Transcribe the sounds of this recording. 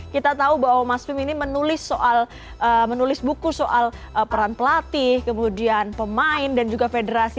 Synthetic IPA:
kit̪at̪aubaɦwamasmɪminimənulɪsːoʔal | əmənulɪsbukusoʔaləpəɾanpəlat̪ɪhkəmudianpəmaɪndand͡ʒuɡafedəɾasi

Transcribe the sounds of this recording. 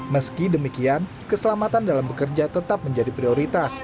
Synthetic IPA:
məskidəmikian | kəsəlamat̪andalambəkərd͡ʒat̪ət̪ap̚məɲd͡ʒadipɾioɾit̪as

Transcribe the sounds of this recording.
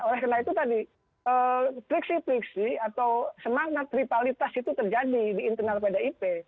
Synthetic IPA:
olɛhkənait̪ut̪adi | əpɾiksipɾiksiat̪awsəmaknat̪ːɾipalit̪asit̪ut̪ərd͡ʒadidiːnt̪ənalpedaipe

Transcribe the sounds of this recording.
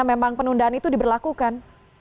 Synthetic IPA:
memaŋpənundaɦanit̪udibərlakukan

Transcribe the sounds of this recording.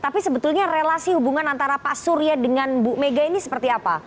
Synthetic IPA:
t̪apisəbət̪ulɲarelasihubuŋanant̪aɾapaʔsuɾiadəŋanbumeɡainisə̥pərt̪iapa̰

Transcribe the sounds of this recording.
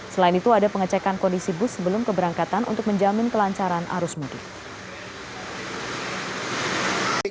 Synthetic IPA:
səlainit̪uadapəŋət͡ʃɛkankɔndisibʊsːəbəlʊmkəbəɾaŋkat̪anʔṵnt̪ʊk̚məɲd͡ʒamɪnkəlaɲt͡ʃaɾanʔa̰ɾʊsmudɪ̰k

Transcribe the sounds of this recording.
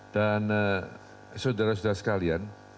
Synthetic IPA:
d̥an | sodaɾas̬udasə̥kalian

